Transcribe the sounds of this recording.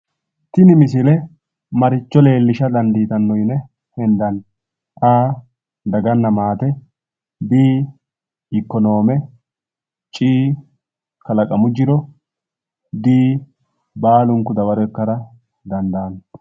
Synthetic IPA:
t̪ɪnɪmɪsɪlɛ | mɐɾɪt͡ʃːɔle̞ːlːɪʃɐd̪ɐnd̪iːt̪ɐnːɔjnɛ | hɛnd̪ɐn | aː | d̪ɐɡɐnːɐmaːt̪ɛ | biː | ɪkːɔno̞ːmɛ | t͡ʃʼiː | kɐlɐkʼɐmʊd͡ʒɪɾɔ | d̪iː | baːlʊŋkːʊd̪ɐbɐɾɔɛkːɐɾɐ | d̪ɐnd̪aːn

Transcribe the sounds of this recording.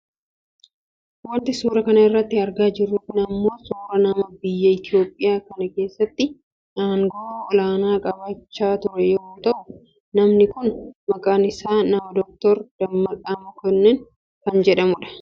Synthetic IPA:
wɐnt̪ɪsuːɾɐkɐnɐɪrːɐt̪ːɪɐɾɡaːd͡ʒɪɾːuːt̪nɐmːo̞ːsuːɾɐnɐmɐbɪjːɐɪt̪ɪo̞ːpʼːɪjaːkɐnɐke̞ːsːɐt̪ːɪ | ʔaːŋɡɔɔlaːnaːkʼɐbaːt͡ʃːaːt̪ʊɾɛjɛnt̪ɐʔʊ | nɐmnɪkʊnmɐkʼaːnɪsaːnɐmɐd̪ɔk̚t̪ɔɾd̪̥ɐmːɐkʼaːmʊkɛnːɛn | kɐnd͡ʒɛᶑɐmʊᶑɐ̥

